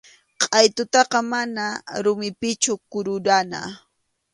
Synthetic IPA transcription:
qʼɑjt̪ʊt̪ɑqɑmanaɾʊmɪpɪt͡ʃʊkʊɾʊɾana̰

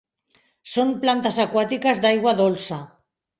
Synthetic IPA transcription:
somplant̪azakwat̪ikazd̪ajɣwaðolsa

